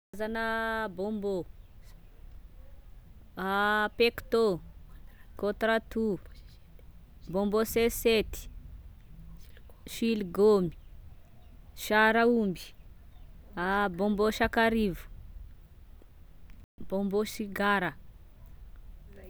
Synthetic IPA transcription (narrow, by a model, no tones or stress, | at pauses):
zanəbombo | apekt̪o | kot̪ɾat̪u | bomboseset̪i̥ | ʃilɡomi̥ | ʃaɾaumbi̥ | abomboʃakaɾivu̥ | bomboʃiɡaɾə